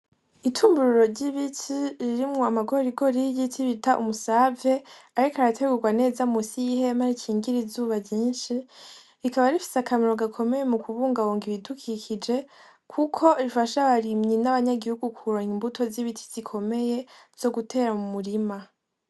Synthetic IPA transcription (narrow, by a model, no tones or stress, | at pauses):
itʰuːmbuɾuɾo̞ɾɟiβitʰiɾiɾimŋo̞amaɡoɾɾiɡo̞ɾijitiβitʰaʔṵmusave̞aɾikaɾatʰe̞ɡuɡwane̞ːzamusihe̞maɾicʰiːŋɡiɾizuːβaɟiːnʃi | ɾikaβaɾifi̥sakʰameɾo̞ɡakʰo̞me̞je̞mukʰuβuːŋɡawoːŋɡiβidukʰikʰid͡ʒe̞ | kʰukʰo̞ɾifaʃaβaɾimɲinaβaɲaɡihuɡukʰuɾaimbutʰo̞ziβitʰi̥z̥ikʰo̞me̞je̞ | z̥o̞ɡutʰe̞ːɾamumuɾima